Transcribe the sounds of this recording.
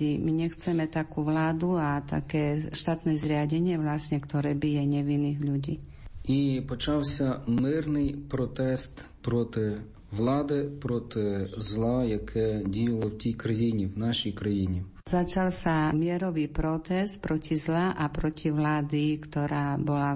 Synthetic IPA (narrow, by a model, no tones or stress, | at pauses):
imiɲɛxt͡sɛmɛt̪akuʋlaːd̪uat̪a̰kɛːʃt̪aːt̪nɛzɾɪaɟɛɲɪɛʋlasɲɛkt̪ɔɾɛːbijɛɲɛʋinːiɣʎuɟiː | ipɔt͡ʃawsʲɐmɪrnɪjpɾɔt̪ɛst̪pɾɔt̪ɪ | ʋlˠɑd̪ɪpɾɔt̪ɪzlˠajɐkʰɛdʲijɐlˠɔwtʲijkɾɐjinʲiwnaʃijkɾɐjinʲi | z̥at͡ʃalsamɪɛɾɔʋipɾɔt̪ɛst̪̚pɾɔcʲʰizlaʔapɾɔcʰʲiʋlaːd̪ikt̪ɔɾaːbɔla